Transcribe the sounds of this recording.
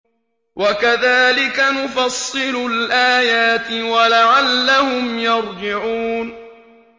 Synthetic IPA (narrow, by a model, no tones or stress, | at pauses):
wʔakaðaːlɪkanʊfɑsˤːɨlʊlʔaːjaːt̪ɪwalaʕalːahʊmjɑɾˤd͡ʒɪʕuːn